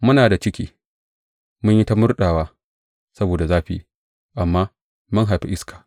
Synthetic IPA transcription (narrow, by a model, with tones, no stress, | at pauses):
mʊ˦naː˨da˨t͡ʃɪ˦kʲḭː˦ | mʊ˦ɲji˦ta˦mʊ˦rɗaː˨waː˦ | sɐ˦boː˨da˨zaː˦ɸḭː˨ | ʔa˨mːaː˦ | mʊ˦ŋɦa˨jɸi˦ʔɪ˦skʰḁː˨